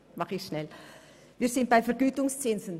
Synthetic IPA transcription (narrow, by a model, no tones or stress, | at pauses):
mɑχɪçʃnɛl | viːɐzɪnt̚b̥aɪfɛɾɡyːtʊŋst͡sɪnzən